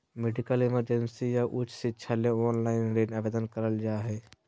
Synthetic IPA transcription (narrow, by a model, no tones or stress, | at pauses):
meɖɪkəlɪməɾd͡ʒənsijaʔʊt͡ʃʰsɪtːʃʰaleɔːnlaːɪnɾeːɖabeːd̪ənkəɾəld͡ʒaːɦɛː